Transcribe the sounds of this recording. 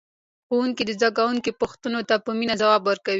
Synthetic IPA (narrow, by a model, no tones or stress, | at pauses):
xowuŋkid̪əzd̪aɡawuŋkipʊxt̪ənot̪apəminazawɑbwəɾkawi